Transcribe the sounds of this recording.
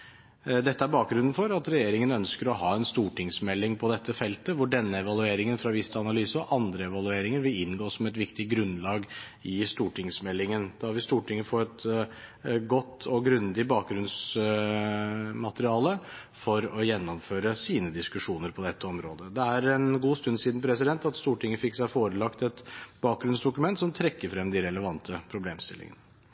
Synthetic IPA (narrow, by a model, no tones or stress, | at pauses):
d̪ɛt̪ːəæɾbɑːk̚ɡɾʉnn̩fɔɾɑt̪ɾɛjeːɾɪŋənœnskəɾɔɦɑːɛnst̪uːʈɪŋsmɛlːɪŋpʰɔd̪ɛt̪ːəfɛlt̪əʋʊɖɛnːəɛʋɑlʉeːɾɪŋənfɾɑʋɪst̪ʰəɑnɑlyːsəɔʔɑnd̪ɾəɛʋɑlʉeːɾɪŋəɾʋɪlɪnːɡoːsɔmɛt̪ʋɪkt̪ɪɡɾʉnːlɑːɡɪst̪uːʈɪŋsmɛlːɪŋənd̪̥ɑɑɾʋɪst̪uːʈʰɪŋːəfɔːɾɛt̪ | ɡɔt̪ʰːɔɡɾʉnd̪ɪbɑːk̚ɡɾʉns | mɑt̪əɾɪɑːlə | fɔɾɔjɛnːɔmføːɾəsiːnəd̪ɪskʉʂuːnəɾpʰɔd̪ɛt̪ːəɔmɾoːd̪əd̪ɛæɾɛnɡuːst̪ʉnːsiːd̪npʰɾɛs̬ɪd̪ɛnt̪ɑt̪st̪uːʈʰɪŋːəfɪksæɪfoːɾəlɑkt̪ɛt̪bɑːk̚ɡɾʉnsd̪ʊkʉmɛnt̪sɔmt̪ʰɾɛkːəɾfɾɛmd̪ɪɾɛləʋɑnt̪ʰəpʰɾʊbleːmst̪ɪlɪ̰ŋə̰nə